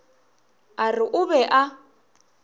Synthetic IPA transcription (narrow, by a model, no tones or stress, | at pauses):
arɪʔʊbɛʔa